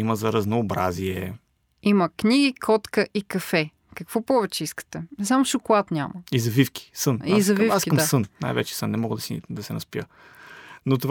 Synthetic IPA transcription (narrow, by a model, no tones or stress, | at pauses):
iməzɐɾɐznoːbɾa̰ziɛ | iməknʲiɡʲikʰɔt̪kəʔikɐfɛ | kəkvɔpɔvɛt͡ʃɛiskə̥t̪ɛzamʊʃʊkʊlˠat̪nʲaməizɐvifki̥sɤnizɐvifaskɐmasɤnna̰jvɛ̰t͡ʃɛ̥sɤnːɛmɔɡəd̪ɐsid̪ɐsɛnɐspiə | not̪ov